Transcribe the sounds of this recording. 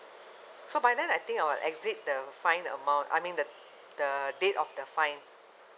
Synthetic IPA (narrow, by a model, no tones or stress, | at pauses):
sobajdɛ̃najt̪ĩŋkajwɪlʔɛkzit̚dəfãɪ̃nə̰mãw̃nta̰jmĩndə | d̥ədetɔfdəfãɪ̃n